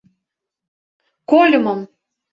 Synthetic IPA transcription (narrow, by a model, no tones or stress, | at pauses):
kolʲə̆mɤ̆m